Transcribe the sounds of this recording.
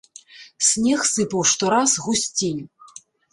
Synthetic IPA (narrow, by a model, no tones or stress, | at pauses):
sʲnʲɛxsɨpɐwʂt̪ɔɾazɣusʲt͡sʲinʲu